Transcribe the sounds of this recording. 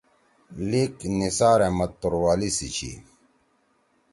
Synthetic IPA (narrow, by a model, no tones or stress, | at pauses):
liknisaːɾemɐt̪̚t̪ːoɾwaːlisit͡ɕʰḭ